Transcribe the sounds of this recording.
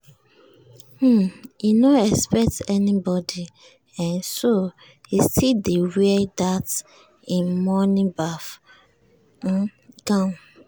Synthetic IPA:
inoɛkspɛk̚tɛnibɔdi | ɛ̃nso | istʰidewɛdat | ĩnmɔnĩbaf | kãm

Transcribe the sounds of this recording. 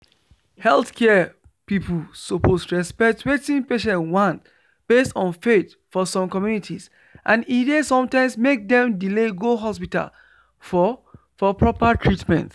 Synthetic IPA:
hɛlθkʰɛ | pipʰlsopʰostɹɛspɛk̚twetĩŋpeʃɛ̃nwɔ̃nt | b̥estɔ̃nfet | fɔsɔ̃mkɔmjunitʰis | ʔãnidesɔ̃mtãɪ̃msmek̚dɛ̃mdileɡoɦɔspita̰l | f | fɔpʰɹɔpətʰɹitmɛ̰̃nt

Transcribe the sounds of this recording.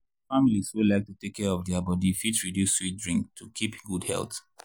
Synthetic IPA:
familiswulaɪk̚tutekʰːɛɹɔvdiabɔdifitɹidjusːwit̚dɹĩŋk̚tʰukʰipɡudhɛ̰lˠt

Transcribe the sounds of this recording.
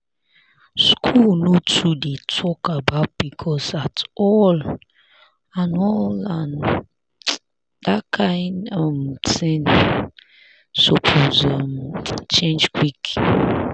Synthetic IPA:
skʰulnotʰudetʰɔkabaʊt̚bikʰɔsatɔl | ãnɔlan | dakʰãjndɔmtẽn | sopʰozamt͡ʃẽnd͡ʒkʰwik

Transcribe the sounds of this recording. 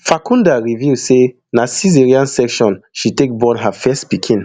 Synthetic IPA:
fakʰũndaɹivise | nasiziɹiãnsɛkʃɔ̃nʃitek̚bɔ̃nɦafɛstpikʰĩn

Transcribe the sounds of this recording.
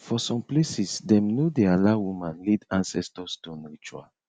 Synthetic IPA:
fɔsɔ̃mplesisdɛ̃mnodealawumãnlidãnsɛstɔstunɹit͡ʃua̰l

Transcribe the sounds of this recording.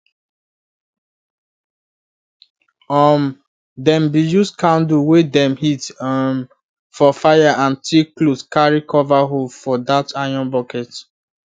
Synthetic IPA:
ɔm | dɛ̃mbijuskãnduwedɛ̃mhitm | fɔfajaʔãntʰikloskaɹikɔvaɦofɔdatajɔ̃nbɔkɛt

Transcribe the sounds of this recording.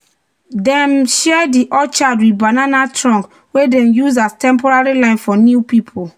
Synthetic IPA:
dɛ̃mʃɛdiʔɔt͡ʃadwibananatɹɔ̃ŋk | wedɛ̃mjuzastɛ̃mpɔɹaɹilãɪ̃nfɔnjupipʰo

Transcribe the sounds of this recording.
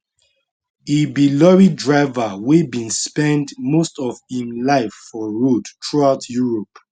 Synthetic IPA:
ebilɔɹidɹaɪvawebĩnspɛ̃ndmostɔvhĩmlaɪfːɔɹodtʰɹuaʊtʰjuɹɔp

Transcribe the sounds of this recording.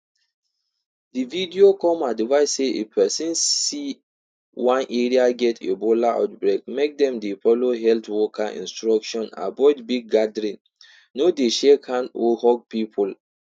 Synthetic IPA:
dividiokɔ̃madivaɪsseḛpʰɛsĩnsi | wãnʔeɹiaɡɛtʰḛbolaʔa̰tbɹek̚mek̚dɛ̃mdefɔloɦɛltwɔkʰaʔḭ̃nstɹɔkʃɔ̃na̰bɔɪdbiɡ̚ɡadɾĩnː | odeʃɛkʰãnohɔɡ̚pipʰul

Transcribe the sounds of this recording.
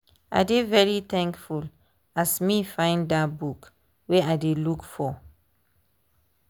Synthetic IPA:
a̰ɪdevɛɹiθɛ̃ŋkful | asmifãɪ̃nddatbuk | weadelukfɔ

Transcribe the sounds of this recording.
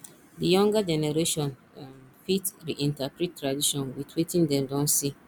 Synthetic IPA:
dijɔ̃ŋɡad͡ʒɛnɛɾeʃɔ̃n | fitɾiʔĩntapɾittʰːɾadiʃɔ̃nwitʰwetʰĩndɛ̃mdɔ̃nsi

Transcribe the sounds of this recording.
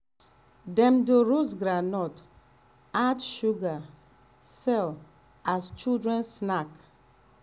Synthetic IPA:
dɛ̃mdoɾos̬ɡɾanɔt | atʃuɡa | sɛl | ast͡ʃudɹɛ̃nsnak

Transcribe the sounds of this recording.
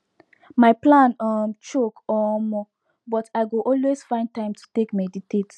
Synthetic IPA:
maɪplãnɔmt͡ʃokɔmɔ | bɔtaɪɡuʔɔlwesfãɪ̃nd̚tãɪ̃mtu̥tekmɛditet

